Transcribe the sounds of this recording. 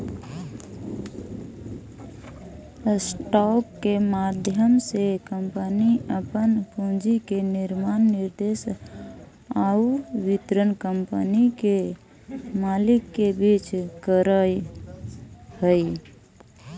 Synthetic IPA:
sʈɔkːemad̪ʱjəmsekəmpəniəpənpũd͡ʒikenɪɾmaːnːɪɾd̪eːs | auʋɪt̪ɾənkəmpənike | malɪkːebit͡ʃkəɾəj | həi

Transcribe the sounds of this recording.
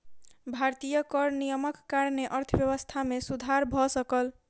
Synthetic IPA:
bʱaɾt̪ijəkʌɾnijəməkːaɾneʔʌɾt̪ʰbjʌwəst̪ʰamesud̪ʱaɾbʱɔsʌkəl

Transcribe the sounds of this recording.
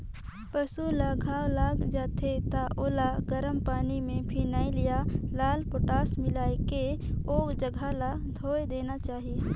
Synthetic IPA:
pəsulaɡʱaːwlaːɡd͡ʒaːt̪ʰet̪aʔoːlaɡəɾəmpaːnimẽpʰiːnaːilijalaːlpoʈaːsmɪlaːekeoːkd͡ʒəɡʱala | d̪ʱoːed̪eːnat͡ʃaːɦie

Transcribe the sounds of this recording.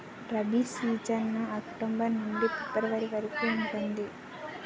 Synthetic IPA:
ɾɐbisiːd͡ʒɐnːuɐkʈumbɐɾnuɳɖipɛpːɐɾɐʋɐɾiʋɐɾɐkuːuɳʈund̪i

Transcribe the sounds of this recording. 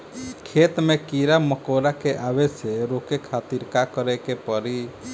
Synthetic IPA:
kʰet̪mekiɾaməkoɾakeʔabɛseɾokekʰat̪iɾkakəɾɛkepəɾi

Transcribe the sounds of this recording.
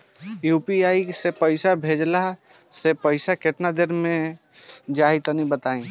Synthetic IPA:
jupiaisepəɪsabʱed͡ʒlaɦ | sepəɪsakeʈnad̪eɾmẽ | d͡ʒait̪ənibət̪aĩ

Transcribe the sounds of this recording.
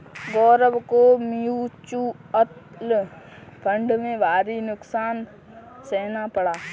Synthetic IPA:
ɡɔːɾəbkomijuːt͡ʃuː | ət̪l | pʰə̃ɳɖmẽʋaːɾinʊksaːn | seːnapəɽaː

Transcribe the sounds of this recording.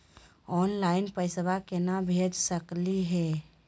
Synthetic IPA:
ɔːnlaːɪnpəɪsəbʱakenabʱed͡ʒsəkliɦɛː

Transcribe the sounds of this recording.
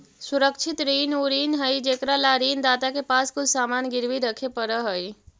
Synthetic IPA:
suɾəkt͡ʃʰit̪ɾiːnuɾiːnɦəjd͡ʒeːkɾalaɾiːnd̪aːt̪akepaːskʊlsaːmaːnɡɪɾʋiɾəkʰepəɾəɦəj

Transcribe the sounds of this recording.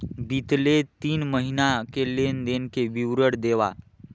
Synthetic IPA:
b̪it̪let̪iːnməɦinakelend̪eŋkeʋiwɾəɽd̪eʋa̰

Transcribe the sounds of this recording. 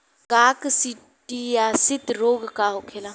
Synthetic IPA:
kaːksi | ʈijasɪt̪ɾoːɡkaːɦokʰeːlaː

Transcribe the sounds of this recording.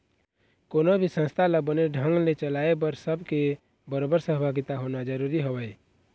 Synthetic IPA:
konobʱisə̃nst̪ʰaləbəneɖʱə̃ŋɡlet͡ʃəlaebəɾsəbʱke | bəɾoːbəɾsəɦbʱaɡit̪aɦonad͡ʒəɾuːɾiɦowəj

